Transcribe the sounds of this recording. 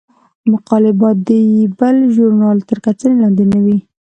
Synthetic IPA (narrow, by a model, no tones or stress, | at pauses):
mʊqɑlɪbɑt̪̚d̪əjibəlʒʊɾnɑlt̪əɾkat͡sənelɑnd̪enawi